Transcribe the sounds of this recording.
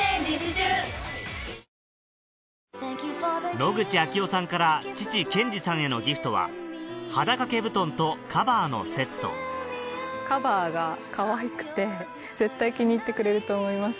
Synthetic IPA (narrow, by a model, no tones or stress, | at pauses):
no̞ɡɯ̟t͡ɕiakʲio̞sãŋkaɾat͡ɕi̥t͡ɕikẽ̞ɲ̟d͡ʑisãɰ̃e̞no̞̰ɡʲiɸɯ̟̥t̪o̞βa̰had̪akake̞bɯ̟t̪õ̞nt̪o̞kʰabaːno̞̰se̞t̪ːo̞̰ | kabaːɡakaβaikɯ̟̥t̪e̞ | ze̞t̪ːaikʲiɲ̟iːt̪ːe̞kɯ̟ɾe̞ɾɯ̟t̪o̞ːmo̞imas